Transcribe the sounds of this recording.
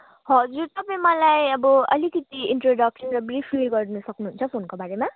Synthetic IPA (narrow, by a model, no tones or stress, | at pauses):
ɦʌd͡zuɾt̪ʌpãmʌlajʌbʌʌlikʌt̪iinʈroɖʌksʌnrʌbripʰliɡʌɾnusʌknuɦunt͡sʰʌpʰonkobaɾema